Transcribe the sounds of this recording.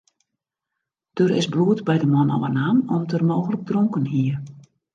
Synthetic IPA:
d̥ørɪ̰sbluətbɛjdəmɔnɔ̰wənaːnɔmtʰərmoːɣələk̚droŋkənɦiər

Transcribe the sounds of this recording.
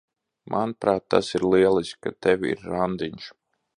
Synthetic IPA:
mʔanpɾaːt̪ːa̰siɾlˠiɛlˠisʲkat̪ɛvʲḭɾːand̪iɲʃ

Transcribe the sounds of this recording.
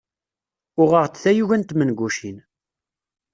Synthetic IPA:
ʊʁəʁt͡sθæjuʝænt̪mənɡʷuʃin

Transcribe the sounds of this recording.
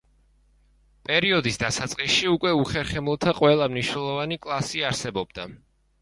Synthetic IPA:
pʼɛɾiɔd̪isd̪asat̪sʼqʼisʃiukʼwɛuχɛɾχɛmlˠɔt̪ʰaqʼwɛlˠamniʃnɛlˠɔvanikʼlˠasiaɾsɛbɔbd̪a

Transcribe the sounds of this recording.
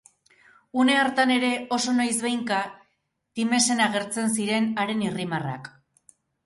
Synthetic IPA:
une̞aɾt̪ane̞ɾe̞o̞so̞najsβejŋka | t̪ime̞se̞naɣ̞e̞ɾt͡se̞ns̬iɾe̞naɾe̞nirimara̰k

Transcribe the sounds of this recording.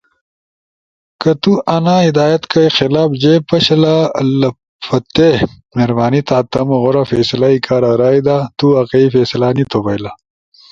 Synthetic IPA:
kɐt̪uʔɐnaːid̪aːjɐt̪kɐixɪlaːbd͡ʑepɐɕɐlalɐ | fɐt̪e | meɾbaːnit̪aːt̪ɐmoɣoɾafeːsɐlaikʰaːɾaɾaːid̪at̪uɐqɐifeːsɐlaːnit̪obɐjla

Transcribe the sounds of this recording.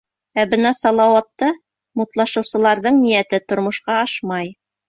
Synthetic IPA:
æbɤnɑsɑlˠɑwɑt̪ːɤ | mut̪lˠɑʃɤ̆wsɤ̆lˠɑɾðɤɴnijæt̪ɘt̪ŏɾmŏʃqɑɑʃmɑj

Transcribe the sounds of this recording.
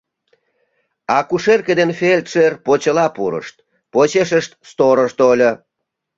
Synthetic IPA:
ɑkuʃerked̪enfelʲt̪ʃerpot͡ɕəlɑpuɾə̰ʃt̪̚ | pot͡ɕeʃəʃt̪st̪oɾəʃt̪olʲo

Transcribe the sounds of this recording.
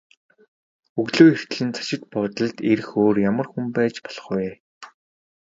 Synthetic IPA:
uɣɮoːer̥t̪̆ɮɘ̆nt͡sʰḁʃɪ̆t̪̚pɔːt̪ə̆ɮt̪erxoːrjamə̆rxumpæːt͡ɕpɔ̥ɮ̥ɞ̆χwʊj

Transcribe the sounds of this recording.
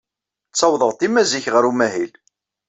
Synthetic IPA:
t͡sːɑwðˤəʁt̪imæziçʁəɾumæɦil

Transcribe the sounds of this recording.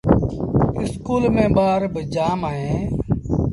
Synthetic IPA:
ɪskuːlmẽːɓaːɾbəd͡ʒaːmaːẽː

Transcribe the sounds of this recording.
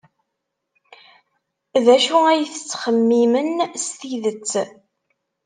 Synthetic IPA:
ðæʃuæjθət͡sːχəmːimənst̪iðət͡sː

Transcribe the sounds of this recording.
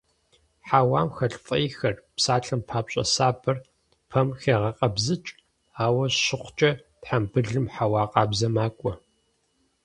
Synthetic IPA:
ħaːwaːmxɐɬfʼɐjixɐrpsaːɬɨmpʰaːpɕʼɐ̰saːbʰɐr | pʰɐmxeːʁɐqʼɐbzɨt͡ʃʼ | aːwɐɕɪχʷt͡ʃʼɐ | tħambɨɮɨmħawaːqʼɑːbzɐmaːkʷʼɔ

